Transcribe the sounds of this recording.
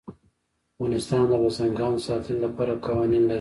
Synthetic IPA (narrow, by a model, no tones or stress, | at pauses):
wɑnɪst̪ɑnd̪əɣasaŋɡɑːnsɑt̪ʰəllapɑɾakɑwɑninla